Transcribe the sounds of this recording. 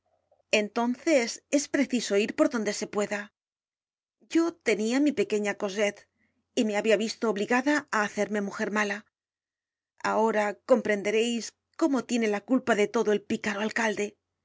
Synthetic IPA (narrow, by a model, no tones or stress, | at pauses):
e̞nt̪o̞nθe̞se̞spɾe̞θiso̞iɾpo̞ɾðo̞nd̪e̞se̞pwe̞ða | ɟ͡ʝo̞t̪e̞niamipe̞ke̞ɲako̞se̞t̪ | ime̞aβiaβist̪o̞ːβliɣaðaaːθe̞ɾme̞muxe̞ɾmala | a̰o̞ɾako̞mpɾe̞nd̪e̞ɾe̞js | ko̞mo̞t̪je̞ne̞lakulpaðe̞t̪o̞ðo̞e̞lpikaɾoalkald̪e̞